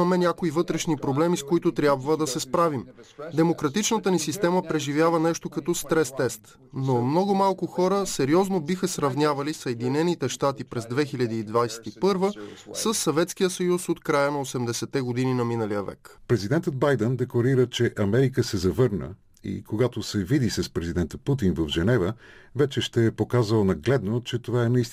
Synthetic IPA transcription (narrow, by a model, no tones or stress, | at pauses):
ɐmɛnʲakoivɤt̪ɾɛʃnipɾoblɛmiskoit̪ʊt̪ɾʲjabvəd̪ɐsɛspɾavimd̪ɛmokɾɐt̪it͡ʃnət̪ənisist̪ɛməpɾɛʒivʲjavənɛʃt̪okɐt̪ɔst̪ɾɛst̪ɛst̪ | nomnɔɡʊmalˠkʊxɔɾəsɛɾiɔznobixəsɾɐvnʲavɐlisəɛd̪inɛnit̪ɛʃt̪at̪ipɾɛzd̪vɛxilʲɐd̪iːd̪vajsɛ̥t̪ipɤɾvəsəsːɐvɛt̪skijəsɐjusot̪kɾajənɐosɛmd̪ɛsɛt̪ɛɡod̪ininɐminəlijəvɛ̰kpɾɛzid̪ɛnt̪ət̪̚bajd̪ɛnd̪ɛklˠɐɾiɾət͡ʃɛʔɐmɛɾikəsɛzɐvɤɾnə̰ | ḭkoɡat̪osɛvid̪isɐspɾɛzid̪ɛnt̪əput̪̬invəvʒɛnɛvəvɛt͡ʃɛʃt̪ɛːpokazəlˠnɐɡlɛd̪not͡ʃɛt̪ovaɛnɐist̪